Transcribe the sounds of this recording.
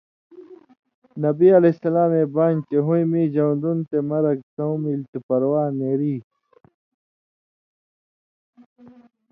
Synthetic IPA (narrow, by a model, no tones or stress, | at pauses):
nɐbiɐlesɐlaːmeːbaːnt͡ɕeɦũjmiːd͡ʑɐwnd̪unt̪emɐɾɐk̚t̪ɐwmilt̪upɐɾwaːneɾiː